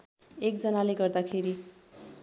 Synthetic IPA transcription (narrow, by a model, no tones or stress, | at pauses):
ek̚d͡zʌnaleɡʌrd̪akʰeɾi